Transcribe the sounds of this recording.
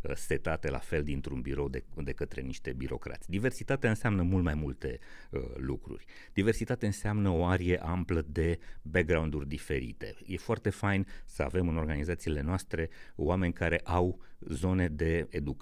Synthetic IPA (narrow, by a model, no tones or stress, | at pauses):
əset̪at̪e̞la̰fe̞ld̪int̪ɾunbiɾo̞wd̪ed̪e̞kət̪ɾe̞̰niʃt̪e̞biɾo̞̰kɾa̰t̪sʲd̪ive̞rsit̪at̪eaɨnseamnəmult̪majmult̪e̞̰lukɾṵrʲ | d̪̥ive̞rsit̪at̪eɨnseamnəo̞aɾie̞ʔampləd̪e̞bek̚ɡɾaund̪urʲd̪ife̞ɾḭt̪e̞̰jefoart̪e̞fajnsəa̰ve̞mɨno̞rɡanizat̪siːle̞noast̪ɾe̞oame̞nʲkaɾe̞ʔawzo̞ne̞d̪e̞ed̪uk